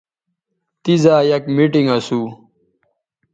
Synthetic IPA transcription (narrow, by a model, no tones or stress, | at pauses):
t̪izaːjɐkmiʈiŋɡɐsuː